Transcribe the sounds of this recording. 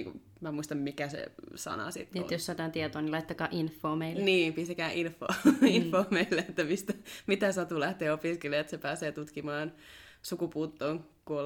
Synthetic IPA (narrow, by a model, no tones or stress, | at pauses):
ŋkṵ | mæmuist̪ɑmmikæsḛsɑ̰nɑ̰sḭt̪ːḛjosːɑːt̪ɑːnt̪iet̪oːnilɑit̪ːɑkɑːʔinfːoːmeilːniːmpist̪ekæːʔinfːo̰ːinfoːmeilːeet̪ːæmist̪æmit̪æsɑt̪ulæht̪eːopiskeleet̪sepæːseːt̪ut̪kimɑːnsukupuːt̪ːoːŋkuol